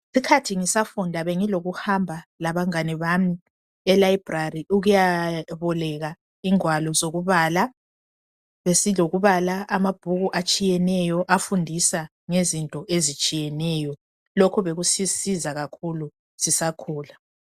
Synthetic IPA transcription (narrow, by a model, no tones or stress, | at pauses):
sikʰatʰiŋisafundʱaβeŋiloɣuhambʱalaβaŋaniβami | ɛlaib̥rariuɣujaβɔlɛɣa | iŋwalɔzoɣuβaːla | βesiloɣuβalaamab̥ʱuɣuʔat͡ʃʼijɛnɛjɔʔafundʱisa | ŋezintʼɔʔezit͡ʃʼijɛnɛjɔ | lokʰuβeɣusisizaɣakʰulu | sisakʰuːla